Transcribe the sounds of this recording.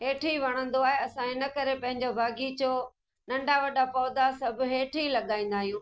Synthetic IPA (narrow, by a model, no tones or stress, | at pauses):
ɦeːʈʰiʋɐɽ̃ə̃nd̪oaːɦeɐsãɪnəkɐɾepɐ̃ɦɪ̃ɲd͡ʑobʱaːɡit͡ɕoː | nɐ̃ɳɖaʋɐɗapɔːd̪asɐbʱʊ̆ɦeːʈʰilɐɠaːĩːnd̪aːɦijũː